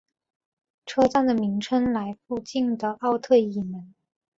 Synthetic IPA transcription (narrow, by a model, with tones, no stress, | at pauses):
ʈ͡ʂʰɤ˥˧t͡sa˥˩nd̪ə˩mi˧˥ŋʈ͡ʂʰə˥nla˧˥ɪfu˥˧t͡ɕi˥˩nd̪ə˩ʔɑ˥˧ʊt̪ʰɤ˥˧i˥˩mə˧˥n